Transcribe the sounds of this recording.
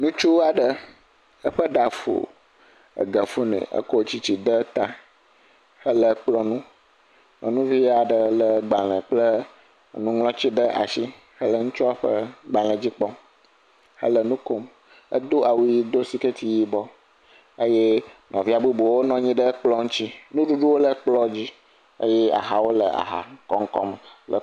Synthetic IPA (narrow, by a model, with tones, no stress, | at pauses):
nũ˦t͡ʃu˦a˨ɖə˨ | ə˦ɸə˦ɖa˨fṵ˨ | ə̰˨ɡə˨fu˦nɛ̰̃˨ə̰˦ko˦t͡ɕi˦t͡ɕi˨ɖə˦t̪a˦ | hə˦lə˦k͡plɔ˦nũ˦ | lɔ̰̃˨nũ˦vi˦a˨ɖə˨lə˦ɡ͡ba˨lə̃˨k͡plə˦˨ | nũ˦ŋlɔ̃˦t͡ɕi˦ɖə˦ʔa̰˨ʃi˦ | hə˦lə˦ŋũ˦t͡ʃɔ˦a˦ɸə̰˦ɡ͡ba˨l̃ə̃˨d͡ʑi˦k͡pɔ˦m | hə̰˦lə˨nũ˦ko˨m | ə̰˦d̪o˦a˨wu˦ji˦d̪o˦si˦ke˦t̪i˨ji˦bɔ˦ | ə˦je˦nɔ̃˨vi˦a˨bu˦bo˨wo˦nɔ̃˦ɲĩ˦ɖə˦k͡plɔ˦ŋũ˦t͡ɕi˦nũ˦ɖu˦ɖu˦wo˦lə˦k͡plɔ˦d͡ʑi˦ | ə̰˦jɛ˦a̰˨ɦa˨wo˦lə˨a̰˨ɦa̰˨˦kɔ˦ŋ˦kɔ̰˦mlə̰˨